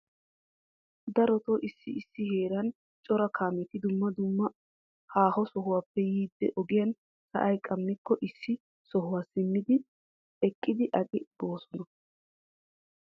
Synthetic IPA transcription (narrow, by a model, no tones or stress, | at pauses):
d̪ɐɾɔt̪ɔʔɪsːɪɪsːɪhe̞ːɾɐn | t͡ʃʼɔɾɐkʰaːmɛt̪ɪd̪ʊmːɐd̪ʊmːɐ | haːhɔsɔɦʊwaːpːɛjiːd̪ːɛ̰ʔɔɡɪjɐn | sɐ̰ʔɐjkʼɐmːɪkːɔʔɪsːɪ | sɔɦʊwaːsɪmːɪd̪ɪ | ɛkʼːɪd̪ɪʔɐkʼɪb̥o̞ːsɔnɐ